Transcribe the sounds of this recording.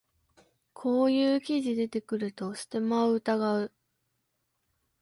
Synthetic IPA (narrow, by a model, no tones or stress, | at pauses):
kʰo̞ːjɯːkʲiʑid̪e̞t̪e̞kɯ̟ɾɯ̟t̪o̞sɨ̥t̪e̞maoɯt̪aɡaɯ̟